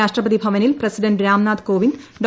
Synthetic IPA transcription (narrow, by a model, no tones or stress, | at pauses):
aːʂʈrɐpɐd̪ibʱɐʋɐnilprɐsiɖɐɳɖɾaːmnaːd̪koːʋindɖo